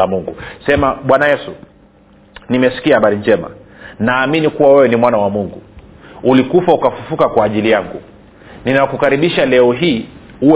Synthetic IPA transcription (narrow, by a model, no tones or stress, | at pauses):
amuŋɡusɛmaɓwanajɛsu | nimɛsi̥kiahaɓaɾind͡ʒɛma̰ | naːminikuwawɛwɛnimwanawamuŋɡuulikufaukafufukakwaːʄilijaŋɡu | ninakukaɾiɓiʃalɛɔɦiː | uɛ